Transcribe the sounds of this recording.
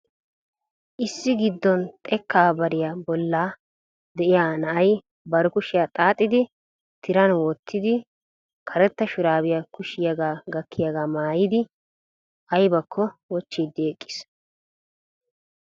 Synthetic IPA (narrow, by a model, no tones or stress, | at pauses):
ʔɪsːɪɡɪd̪ːɔnt̪ʼɛkːaːbɐɾɪjabɔlːaː | d̪ɛʔɪjaːnɐʔɐj | bɐɾʊkʊʃɪjat̪ʼaːt̪ʼːɪd̪ɪ | t̪ʰɪɾɐnwɔt̪ːɪd̪ɪ | kʰɐɾɛt̪ːɐʃʊɾaːbɪjakʊʃɪjɐɡaːɡɐkːɪjaɡaːmaːjɪd̪ɪ | ʔɐjbɐkʰːɔwɔt͡ʃːid̪eːkʼːɪ̥s